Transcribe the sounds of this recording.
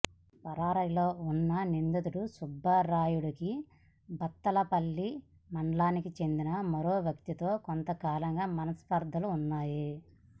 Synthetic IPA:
pɐɾaːɾɐjlo̞ːunːɐnind̪ɐt̪uɽusubʱːɐɾaːjuɽɐki | bɐt̪ːɐlɐpɐlːi | mɐɳɖlaːnikit͡ʃe̞nd̪inɐmɐɾoːʋjɐkt̪it̪o̞ːkont̪ɐkaːlɐŋɡaːmɐnɐspɐɾd̪ʱɐluːnːaːji

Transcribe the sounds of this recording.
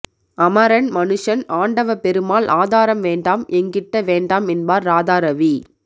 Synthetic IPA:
ɐmɐɾɐnmɐnɯʂɐnaːɳɖɐʋɐpɛɾɯmaːlʔaːðaːɾɐmʋeːɳɖaːmɛŋɡɪʈːɐʋeːɳɖaːmɛnbaːɾːaːðaːɾɐʋi

